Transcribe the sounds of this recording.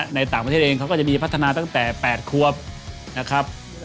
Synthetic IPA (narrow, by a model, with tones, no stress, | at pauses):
na˧jt̪aː˨˩ŋpa˧e˥˩ʔeː˧kʰa˦˥wkɔː˥˩t͡ɕa˨˩ʔmiː˧pʰt̪ʰːa˧naː˧t̪a˥˩ŋt̪ɛː˨˩pɛː˨˩t̪̚kʰu˧˩əp̚ | na˦˥kʰɾa˦˥p̚